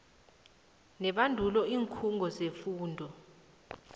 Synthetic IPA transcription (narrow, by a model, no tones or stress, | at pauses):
nɛɓandʱulɔiːŋkʰuŋɡʱɔzefuːndʱɔ